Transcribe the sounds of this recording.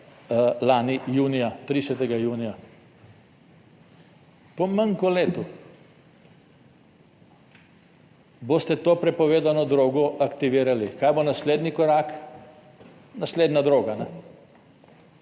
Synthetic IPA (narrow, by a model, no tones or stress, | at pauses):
laːnijuːnijat̪ɾisɛt̪ɛɡajuːnija | pɔmaŋkɔleːt̪u | boːst̪ɛt̪oːpɾɛpɔʋeːd̪anɔd̪ɾoːɡɔʔakt̪iʋiːɾalikaːjbonasleːd̪nikɔɾak | nasleːd̪nad̪ɾoːɡanɛ